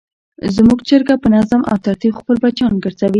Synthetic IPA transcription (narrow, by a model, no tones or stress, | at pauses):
zmuɡt͡ʃəɾɡapənazamʔa̰wt̪aɾt̪ixpəlbat͡ʃɑnɡəɾzawi